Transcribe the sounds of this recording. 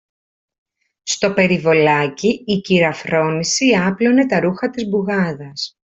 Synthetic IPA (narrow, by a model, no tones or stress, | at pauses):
st̪o̞pe̞ɾivo̞lɐciːciɾɐfɾo̞nisiɐplo̞ne̞t̪ɐɾuxɐt̪izbuɣɐðɐs